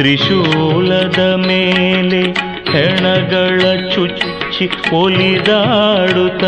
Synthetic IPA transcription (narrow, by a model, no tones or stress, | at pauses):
ɾiʃulɐd̪ɐmeːle | hɛɳɐɡɐɭɐt͡ʃut͡ʃt͡ʃikpolid̪aɽut̪ɐ